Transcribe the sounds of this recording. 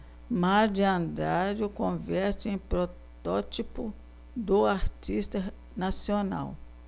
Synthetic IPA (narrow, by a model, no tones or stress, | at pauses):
maɾd͡ʒiɐ̃nd̪ɾad͡ʒʊkõvɛɾt̪ɪẽj̃pɾot̪ɔt͡ʃipʊ | d̪ʊaɾt͡ʃist̪ɐ | nasiona̰w